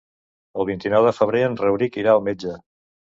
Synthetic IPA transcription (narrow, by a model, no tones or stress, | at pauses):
əlˠβint̪inɔwðəfəβ̞ɾeənrəwɾikiɾaəlˠmed͡ʒə